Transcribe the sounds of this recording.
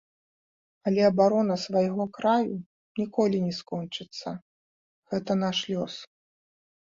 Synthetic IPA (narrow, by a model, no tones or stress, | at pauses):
ɐlʲɛɐbaɾɔnɐsvajɣɔkɾaju | nʲikɔlʲinʲɛskɔnt͡ʂɨt̪sːɐ | ɣɛt̪ɐnaʂlʲɔs